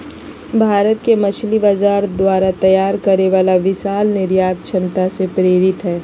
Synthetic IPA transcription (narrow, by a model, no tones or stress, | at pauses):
bʱaːɾət̪kemɐt͡ʃʰlibazaːɾd̪waːɾat̪ɐjaːɾkɐɾeʋaːlaʋɪʃaːlnɪɾjaːt̪̚t͡ʃʰɐmt̪asepɾeːɾɪt̪ɦɛː